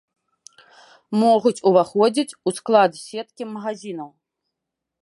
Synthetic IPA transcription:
mɔɣut͡sʲuvaxɔd͡zʲit͡sʲusklˠad̪sʲɛt̪kʲimɐɣazʲinɐw

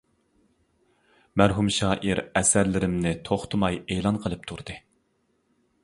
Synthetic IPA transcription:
mæɾɦumʃɑːʔiɾɛsæɾlɪɾɪmnɪt̪ʰoχt̪ʰɨmɑjeːlˠɑnqʰəlˠɨp̚t̪ʰuɾd̪ɨ

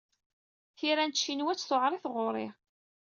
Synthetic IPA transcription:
θiɾænt̪ʃːinwæt͡sːθoʕɾˤiθʁʊɾˤɪ

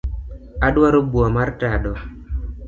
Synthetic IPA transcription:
aɗwaɾobuamaɾtaɗɔ

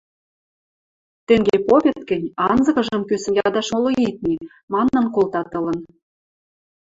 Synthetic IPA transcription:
t̪ĕŋɡʲepoβʲet̪̚kɘ̆nʲɑnzɤ̆kɤ̆ʒkɤ̆mkysə̆mjɑd̪ɑʃmoloit̪̚ni | mɑnːɤ̆nkolt̪ɑt̪ɤ̆lɤ̆n

